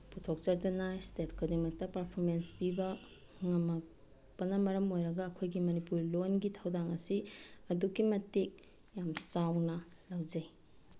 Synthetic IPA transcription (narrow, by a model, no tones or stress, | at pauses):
putʰok̚t͡ʃɐɾdɐnastetkʰɐdiŋmɐk̚tɐpɐɾpʰoɾmenspibɐ | ŋɐmɐk̚ | pɐnɐmɐɾɐmojɾɐɡɐːkʰojɡimɐnipuɾlonɡitʰɐwdaŋɐsiɐdukimɐtek̚ | jamsawnɐ | lɐwd͡ʒɐj